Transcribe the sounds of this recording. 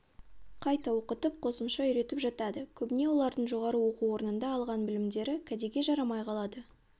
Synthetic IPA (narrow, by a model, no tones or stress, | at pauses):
qʰɑjt̪ɑwo̞qət̪əp̚qʰo̞səmʃɑʏɾe̞t̪ɪpʒɑt̪ɑd̪əkʲʰɵbɪne̞wo̞lˠɑɾd̪əɴʒo̞ʁɑɾəwo̞quwo̞ɾnənd̪ɑːlˠʁɑnbɪlɪmd̪e̞ɾɪkʲʰæd̪e̞ɡʲe̞ʒɑɾɑmɑjqʰɑlˠɑd̪ə